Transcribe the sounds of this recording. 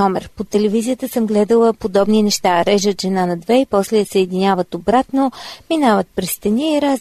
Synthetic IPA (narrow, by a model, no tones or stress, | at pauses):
ɔmɛɾpot̪ɛlɛvizijət̪əsɤmɡlɛd̪əlˠəpod̪ɔbninɛʃt̪aɾɛʒət̪ʒɛnanɐd̪vɛipɔslɛsəːd̪inʲavət̪obɾat̪nominavət̪̚pɾɛst̪ɐniːɾaz